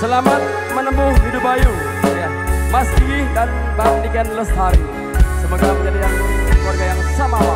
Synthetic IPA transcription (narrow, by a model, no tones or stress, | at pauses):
səlamat̪̚ | mənəmbʊhɦidʊpaju | ja | masdiidan | bandiɡanləst̪aɾi | səməkaməɲadilahklwarɡajaŋsamaa